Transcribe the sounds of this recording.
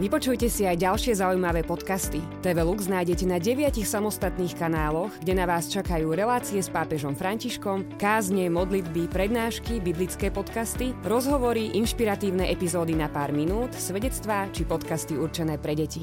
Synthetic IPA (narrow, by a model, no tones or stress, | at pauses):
ʋipɔt͡ʃujcɛsiajɟalʃɪɛzaujmaʋɛːpɔt̪kast̪i | t̪ɛʋɛluɡznaːjɟɛcɛnaɟɛʋɪacixsamɔst̪at̪niːxkanaːlɔɣɡɟɛnaʋaːst͡ʃakajuːɾɛlaːt͡siɛspaːpɛʒɔmfɾaɲciʃkɔmkaːzɲɛmɔd̪lid̪bipɾɛd̪naːʃkibiblit͡skɛːpɔt̪kast̪iɾɔzɦɔʋɔɾiʔinʃpiɾat̪iːʊnɛʔɛpizɔːd̪inapaːɾminuːt̪sʋɛɟɛt͡st̪ʋaːt͡ʃipɔt̪kast̪iuɾt͡ʃɛnɛːpɾɛɟɛci